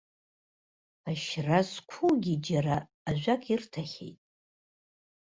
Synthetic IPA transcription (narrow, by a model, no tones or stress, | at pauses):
aʃrazkʷʰuɡʲid͡ʒaɾaː | ʒʷᶣakʼʰirtʰaχʲḛjtʼ